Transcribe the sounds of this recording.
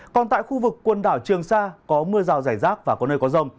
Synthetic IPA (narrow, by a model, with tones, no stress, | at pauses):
kɔ˨˩nt̪a̰ː˧˨jxu˧vɨ˨˩kːwə˨˩nɗaː˧˩wt͡ɕɨ˨˩əŋsaː˧kɔ˨˦mɨ˧əzaː˨˩wzaː˧˩jzaː˦˥k̚vaː˨˩kɔ˨˦nəː˧jkɔ˨˦zə˧wŋ͡m